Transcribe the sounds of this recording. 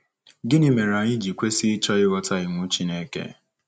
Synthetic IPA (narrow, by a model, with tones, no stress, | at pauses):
ɡɪ˦nɪ˦me˨ɾa˨ɲi˦d͡ʒi˨kʷe˦si˦t͡ʃɔ˦ɪ˦wɔ˦ta˦i˨ŋʷʊ˦t͡ʃi˦ne˦kḛ˦